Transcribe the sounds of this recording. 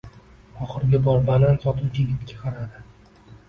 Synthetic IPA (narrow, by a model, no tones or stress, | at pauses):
ɒχɨɾɡʲɪbɒɾbalansɒt̪ʰuwd͡ʒeɡʲɪt̪kʲḁqʰɑɾad̪ɪ